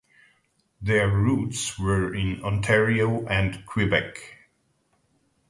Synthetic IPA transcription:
ðɛɹutswə˞ɪ̃nɔ̃ntʰɛɹioʊʔæ̃nkʰw̥ɪbɛk

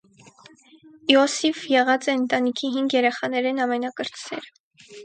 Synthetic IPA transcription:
iɔsivjɛʁɑt͡sɛənt̪ɑnikʰiɦiŋɡjɛɾɛχɑnɛɾɛnɑmɛnɑkəɾt͡sʰɾɛ̰ɾ

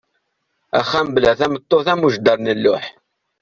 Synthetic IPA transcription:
æ̰χːæmblæθæmət̪ˤːoθæmuʒd̪əɾˤnəlːʊħ

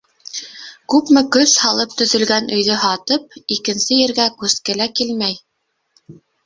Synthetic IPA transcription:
kʉpmɘkɵθhɑlˠɤp̚t̪ɵ̆ðɵ̆lɡænɵ̆jðɵɦɑt̪ɤp̚ikɘ̆nsɘjɘ̆ɾɡækʉskɘ̆lækilmæj

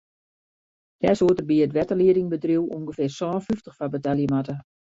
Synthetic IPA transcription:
d̥ɛsuətərbiəətʋɛtəliədɪŋbədriwṵŋɡəfɪrsɔːnfyftəxfabətaljəmatə

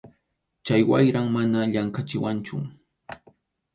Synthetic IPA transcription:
t͡ʃajwajɾaŋmanaʎaŋkat͡ʃɪwant͡ʃʊ̰

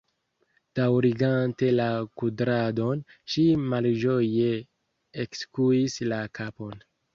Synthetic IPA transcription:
d̥awɾiɡante̞lakudɾado̞nʃimald͡ʒo̞je̞ | ekskuislakʰapo̞n

